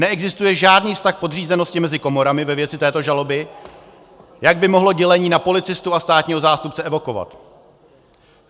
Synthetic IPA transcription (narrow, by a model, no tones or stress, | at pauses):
nɛɛɡzɪst̪ujɛʒaːdniːfst̪axpo̞dr̝iːzɛnoscɪmɛzɪko̞mo̞ɾamɪvɛvjɛt͡sɪt̪ɛːt̪o̞ʒalo̞bɪ | jaɡ̚bɪmo̞ɦlo̞ɟɛlɛɲiːnapo̞lɪt͡sɪst̪uast̪aːt̪ɲiːɦo̞zaːst̪upt͡sɛɛvo̞ko̞va̰t̪